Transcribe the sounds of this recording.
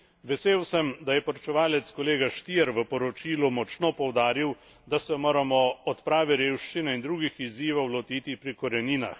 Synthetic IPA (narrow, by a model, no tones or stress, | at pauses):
ʋɛseːwsɛmd̪ajɛpɔɾɔt͡ʃɛʋaːlɛt̪skɔleːɡaʃt̪iɛɾʋəpɔɾɔt͡ʃiːlumɔt͡ʃnɔpɔwd̪aːɾiw | d̪asɛmoːɾamɔɔt̪pɾaːʋɛɾeːwʃt͡ʃinɛind̪ɾuːɡixiziːʋɔwlɔt̪iːt̪ipɾikɔɾɛniːna̰x